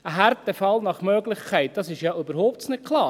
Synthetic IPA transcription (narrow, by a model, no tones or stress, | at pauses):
əɦæɾtəfɑlnɑχmøːɡlɪχkʰæɪt̚d̥ɑsɪʃjɑʔybəɾhoʊpsnɪkʰlˠɑː